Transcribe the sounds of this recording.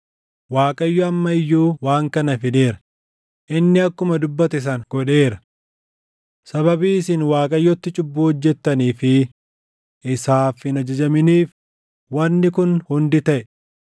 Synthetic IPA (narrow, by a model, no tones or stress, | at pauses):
waːkʼɐjːɔɐmːɐɪjːuːwaːŋkɐnɐfɪneːɾɐ | ʔɪnːɪɐkːʊmɐd̪ʊbːɐt̪ɪs̬ɐŋɡ̥ɔᶑe̞ːɾɐ | sɐbɐbiːsɪnwaːkʼɐjːɔt̪ːɪt͡ʃʼʊbːuːhɔd͡ʒːɛt̪ːɐniːfɪ | ɪsaːfɪnɐd͡ʒɐd͡ʒɐmɪniːf | wɐnːɪkʊnhʊnd̪ɪt̪ɐʔɛ